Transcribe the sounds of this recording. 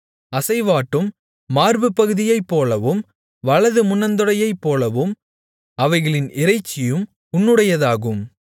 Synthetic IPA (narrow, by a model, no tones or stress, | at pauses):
ɐsɐɪʋaːʈːɯmː | aːɾbɯpːɐɣɯðɪjɐɪpːoːlɐʋɯm | ʋɐɭɐðɯmʊnːɐnd̪ɯɽɐjɐɪpːoːlɐʋɯm | ɐʋɐɪɣɐɭɪnɪɾɐɪt͡ʃːɪjɯm | ʊnːɯɽɐjɐðaːɣɯm